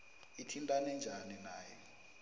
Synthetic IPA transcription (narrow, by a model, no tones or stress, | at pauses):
itʰintʼanɛnd͡ʒʱaninaːjɛ